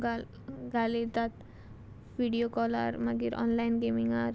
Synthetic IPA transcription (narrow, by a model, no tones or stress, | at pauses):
ɡ | ɡʱalit̪at̪̚ | ʋiɽiokɔla̰ɾmaɡiɾʔɔ̰nlajnɡemiŋaɾ